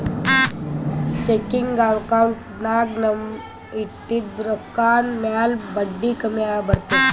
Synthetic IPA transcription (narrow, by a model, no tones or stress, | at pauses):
t͡ɕekiŋɡɡaʋkawuɳʈ | naɡnɐm | it̪ːid̪ɾokːaːnmjalbəd̪ːikəmjabəɾt̪i